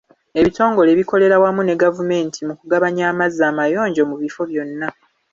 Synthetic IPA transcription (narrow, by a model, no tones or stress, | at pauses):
e̞βito̞ːŋɡo̞leːβiko̞le̞ɾawamune̞ɡavume̞ːntʰimukuɡaβaɲaːmazːaːmajo̞ːɲɟo̞muβifo̞βjo̞nːa